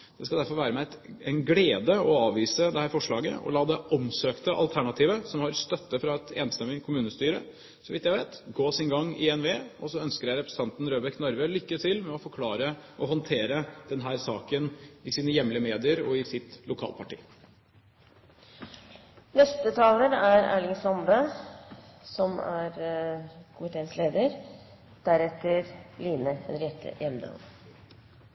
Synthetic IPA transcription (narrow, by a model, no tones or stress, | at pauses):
d̪̥ɛskɑd̪æɾfɔɾʋæːɾəmɛt̪ɛɪnɡleːd̪əɔɑːʋiːsəd̪ɛhæːɾfɔʂɭɑːɡə̰ʔɔ̰lɑːd̪ɛʔɔmsøːkt̪əʔɑ̰lt̪ʰæɳɑt̪ʰiːʋəsɔmhɑɾst̪œt̪ːəfɾɑɛt̪ḛːnst̪ɛmːɪkʰʊmʉːnəst̪yːɾə̰ | sɔʋɪt̪jæɪʋeːt̪ɡoːsɪnɡɑŋːɪ̰ɛnʋeːʔɔsɔœnskəɾjæɪɾɛpɾəst̪ɑnt̪n̩ɾøːbɛknɔɾʋəlʏkːət̪ʰɪlmɛɔfɔɾkʰlɑːɾəʔɔhɔnt̪ʰeːɾəd̪̥ɛnɦæːɾsɑːkənɪsiːnəjɛmlɪəmeːd̪ɪəɾɔɪsɪt̪lʊkʰɑ̰lpʰɑʈḭː | nɛst̪ət̪ʰɑːlənæɾæ̰ːɭɪŋsɔmbə | sɔmæ̰ɾ | kʰʊmɪt̪ʰeːnsleːd̪əɾ | d̪̥æɾɛt̪ːəɾliːnəɛnɾjɛt̪ʰə̰jɛmd̪ə̰l